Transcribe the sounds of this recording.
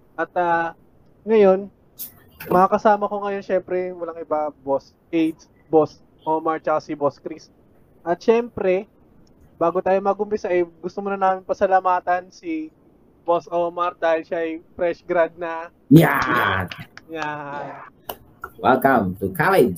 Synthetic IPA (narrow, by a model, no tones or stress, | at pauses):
ʔɐt̪̚ɐː | ŋɐjo̞n | mɐakɐsaːmɐko̞ŋɐjo̞nʃɛmpɾɛwɐlaŋʔɪbabos | ʔejd̪s | bos | ʔomɐɹt͡ʃɐkasɪboskɾis | ʔɐt̪̚ʃɛmpɾɛ | baːɡot̪aːjomɐɡʊmpɪsaʔɛɡʊst̪omonɐnaːmɪnpɐsɐlamaːt̪ɐnsi | bosomɐɾ̚d̪aːhɪlʃaʔɐjpɾɛsɡɾad̪̚nɐ | jaaja | wɛlkɐmt̪ukʰalɛd͡ʒ